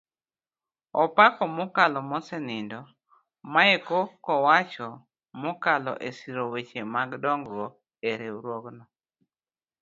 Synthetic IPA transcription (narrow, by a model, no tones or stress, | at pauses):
ɔpakɔmʊkalɔmɔsɛnɪndɔ | maekokɔwat͡ʃɔ | mʊkalɔ̰ʔesiɾowet͡ʃemaɡdɔŋɡɾwɔ | eɾeuɾwoɡnɔ